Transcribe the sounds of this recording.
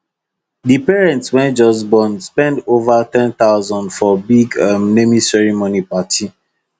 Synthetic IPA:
dipɛɹɛ̃ntswɛ̃nd͡ʒɔs̬bɔ̃nspɛ̃ndovatɛ̃nt̪aʊzɔ̃ndfɔbiɡamnemisɛɹimonipatʰi

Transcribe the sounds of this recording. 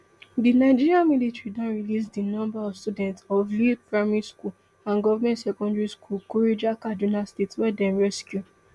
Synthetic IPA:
dinaɪd͡ʒiɹiãmilitɹidãnɹilisdinɔ̃mbaɔvstudɛ̃ntsɔvlipɹamɛɹiskul | ãnɡɔvamɛ̃ntsɛkɔ̃ndaɹiskulkɔɹed͡ʒakadunastetswɛdɛ̃mɹɛskju

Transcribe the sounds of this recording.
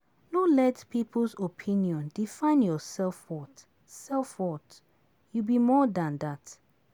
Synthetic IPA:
nɔlɛtpʰipəlsopʰĩnjɔ̃ndifãɪ̃njɔsɛlfwɔt | sɛlfwɔt | jubimɔdãndat

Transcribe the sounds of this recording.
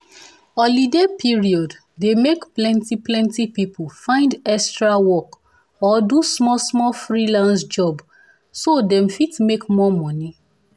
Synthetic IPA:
ɔlidepʰiɹiɔd | demekplɛ̃ntiplɛ̃ntipipʰofãɪ̃ndɛkstɹawɔk | ɔdusmɔlsmɔlfɹilãnsd͡ʒɔb | sodɛ̃mfitmekmɔmɔni

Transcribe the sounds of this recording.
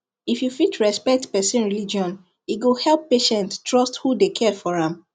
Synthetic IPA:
ifjufit͡ʃɹɛspɛk̚tpɛsĩnɹilid͡ʒɔ̃n | iɡohɛlpːeʃɛ̃nttɹɔsthudekʰɛfɔɹãm

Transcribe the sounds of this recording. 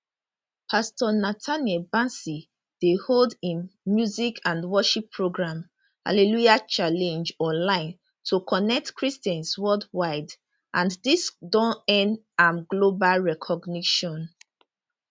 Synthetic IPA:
pʰastɔnatʰanɛbãnsi | d̥eholdĩnmjuzikʰãndwɔʃipʰːɹoɡɹãm | ha̰lelujat͡ʃalɛ̃nd͡ʒɔ̃nlãɪ̃n | tʰukʰɔnɛk̚tkʰɹistɛ̃nswɔldwaɪd | ʔãndisdɔ̃nɛ̃nd | ãmɡlobalɹɛkʰɔɡniʃɔ̃n

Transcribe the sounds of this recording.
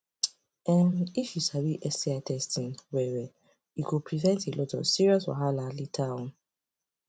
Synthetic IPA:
ɛniʃusabiʔɛsiatʰɛstʰĩnwɛwɛ | ikupʰɹivɛ̃ntʰelʔɔtɔ̰siɹiɔswa̰ɦalalitʰawn

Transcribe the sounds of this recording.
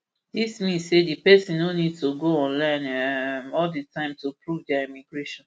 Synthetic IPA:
dismĩnsedipɛsĩnːonidtuɡoɔ̃nlãnɛmɔlditʰãɪ̃mtupɹuvdaimiɡɹeʃɔ̃n

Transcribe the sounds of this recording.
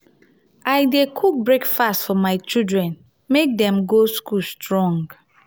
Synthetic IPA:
aɪdekʰuk̚bɹekfastfɔmaɪt͡ʃildɹɛ̃n | mek̚dɛ̃mɡoskulstɹɔ̃ŋɡ

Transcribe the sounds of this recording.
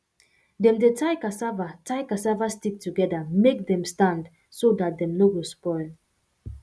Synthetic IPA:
dɛ̃mdetʰaɪkasavatʰaɪkasavastik̚tʰuɡɛdamek̚dɛ̃mstãnd | sodat̚dɛ̃mnoɡospɔɪl

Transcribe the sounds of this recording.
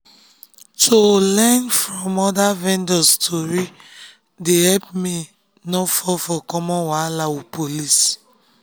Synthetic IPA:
tʰolɛnfɹɔ̃mɔdavɛ̃ndɔstʰɔɹi | deɦɛpmi | nɔfɔfɔkɔmɔ̃nwalawupʰolis

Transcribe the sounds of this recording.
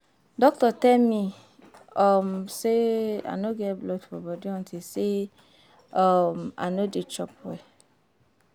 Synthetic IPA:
dɔk̚tɔtɛmĩ | ɔmsea̰noɡɛblɔdfɔ̰bɔdiɔ̃ntise | ɔma̰nodet͡ʃɔpɛ

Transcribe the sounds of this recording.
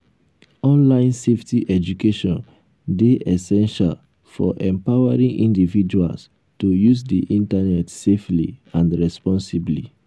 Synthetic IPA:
ɔ̃nlãɪ̃nseftiʔɛd͡ʒukeʃɔ̃n | deʔɛsɛ̃nʃa̰l | fɔ̰ʔɛ̃mpawaɹĩnʔĩndivid͡ʒua̰ls | tujuzdḭʔĩntanɛtseflḭãndɹɛspɔ̃nsiblḭ

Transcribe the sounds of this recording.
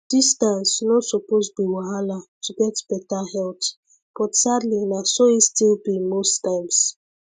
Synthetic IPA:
d̥istãnsnɔsuposbiwaalatʰuɡɛtbɛtahɛlt | pɔtsadlinasoistilbimostãjms

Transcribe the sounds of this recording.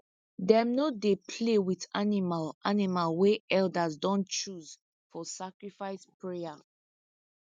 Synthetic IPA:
dɛ̃mnodepʰlewiθanimalʔanimalweɛldazdɔ̃nt͡ʃuz | fɔsakɹifaɪspɹea

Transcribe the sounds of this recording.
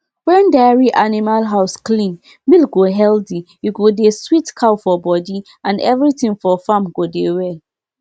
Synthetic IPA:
wɛ̃ndaɹiʔanimalɦaʊsklĩn | milɡoɦɛldijuɡodeswitkʰawfɔbɔdi | ãnɛvɹitĩŋfɔfãmɡodewɛl

